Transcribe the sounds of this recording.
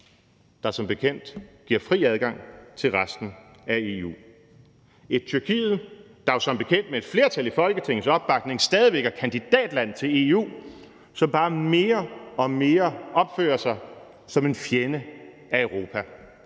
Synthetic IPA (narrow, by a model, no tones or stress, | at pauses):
d̥ɑ̈sɒ̽mb̥e̝kʰen̰d̥ɡ̥iɐ̰fʁḭːæð̞ˠɡ̥ɑ̈ŋ̰t͡sʰe̝lʁasd̥n̩ | æe̝ṵː | e̝d̥̚t͡sʰyɐkʰḭːð̞̩ˠ | d̥ɑ̈sɒ̽mb̥e̝kʰen̰d̥mee̝d̥fle̝ːɐt͡sʰælifɒ̽lɡ̥ət͡sʰe̝ŋ̰n̩sɒ̽b̥ːɑ̈ɡ̥ne̝ŋsd̥ɛːðˠiʋeɡ̥æɐkʰænd̥id̥ɛ̰ːd̥læn̰t͡sʰe̝le̝ṵː | sɒ̽mb̥ɑ̈ːme̝ːɐɒ̽me̝ːɐɒ̽b̥fø̰ːɐsɑ̈ɪ | sɒ̽me̝nfjenə | æœʊʁo̝ːpʰæ